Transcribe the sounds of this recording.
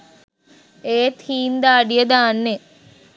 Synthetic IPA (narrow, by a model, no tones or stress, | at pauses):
eːt̪hiːnd̪aːɖijɐd̪aːnːe